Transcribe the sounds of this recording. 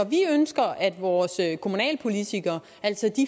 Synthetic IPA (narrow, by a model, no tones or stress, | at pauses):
ɒʋiønsɡ̥ɐʔæd̥ʋɒːsøkʰo̝munɛ̰ːlpʰo̝lit͡sʰiɡ̥ɐ | æl̰sɒd̥i